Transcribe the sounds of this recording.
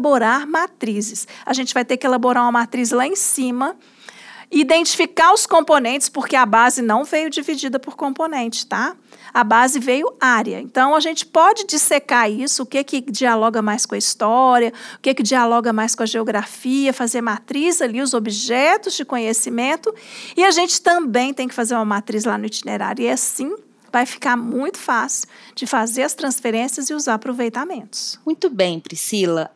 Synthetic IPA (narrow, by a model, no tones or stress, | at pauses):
boɾaɾmat̪ɾizɪsɐʒẽnt͡ʃɪvajt̪ekɪelaboɾaɾũɐmat̪ɾizlaẽsĩmɐ | ɪid̪ẽnt͡ʃi̥fikaɾʊskõmponẽnt͡ʃɪ̥spʊɾkeɐbazɪnɐ̃w̃vejʊd͡ʒivid͡ʒid̪ɐpʊɾkõmponẽnt͡ʃɪ̥st̪a | ɐbazɪvejʊaɾɐ̰ẽnt̪ɐ̃w̃ɐʒẽnt͡ʃɪ̥pɔd͡ʒɪd͡ʒɪsekaɾisʊːkekɪd͡ʒialɔɡɐmajskõɐist̪ɔɾjɐʊkekɪd͡ʒialɔɡɐmajskõɐʒeoɡɾafiɐfazeɾmat̪ɾizɐliʊzobiʒɛt̪ʊzd͡ʒɪkõɲesimẽnt̪ʊɪɐʒẽnt͡ʃɪ̥t̪ɐ̃bẽj̃t̪ẽj̃kɪ̥fazeɾũmɐmat̪ɾizlanʊit͡ʃinḛɾa̰ɾjʊiasĩ | vajfi̥kaɾmũj̃t̪ʊ̥fasɪ̥wd͡ʒɪfazeɾɐst̪ɾɐ̃sfeɾẽsiɐzɪuzaɾɐpɾovejt̪amẽnt̪ʊ̥smũj̃t̪ʊbẽj̃pɾisilɐ